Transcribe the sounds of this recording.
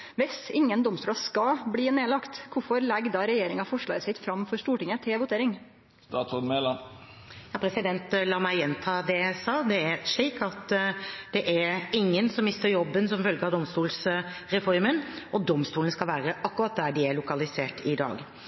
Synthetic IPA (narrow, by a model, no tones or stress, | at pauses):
ʋɪsɪŋːənd̪ɔmst̪uːlɑskɑbliːneːlɑkt̪kʊfɔɾlɛɡd̪ɑːɾɛjeːɾɪŋɑfɔʂɭɑ̰ːəsɪt̪fɾɑmfɔɾʂt̪uːʈɪŋːət̪ʰɪlʋʊt̪ʰeːɾɪŋ | t̪ɑːt̪sɔnmelɑn | jɑːpʰɾɛsɪd̪ɛnt̪lɑːmæɪjɛnt̪ʰɑːd̪ɛsɑːd̪ɛæɾʂɭiːkɑt̪d̪̥ɛʔæɾɾɪŋːənsɔmːɪst̪əɾjɔbːənsɔmfœlɡəɑd̪ɔmst̪uːls | ɾɛfɔɾmənʔɔd̪ɔmst̪uːnskɑlʋæːɾəʔɑkːʊɾɑt̪̚d̪æɖɪæɭʊkɑlɪseːʈɪd̪ɑ̰ːɡ